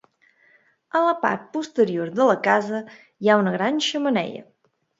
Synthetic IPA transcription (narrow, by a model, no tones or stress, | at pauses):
ələpa̰ɾt̪̚pust̪əɾioɾðələkazə | jaunəɣɾanʲʃəmənɛ̰ʎə̰